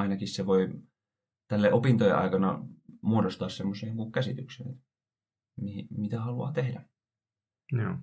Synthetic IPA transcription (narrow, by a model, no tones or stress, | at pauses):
ɑinɑkisseʋoi | t̪ælːeʔopint̪ojḛʔɑ̰ikɑnɑ̰muodost̪ɑːssemːoseːniːŋkukkæsit̪yksḛnḛt̪ | mihimit̪æhɑluɑ̰ːt̪ehdæ | joː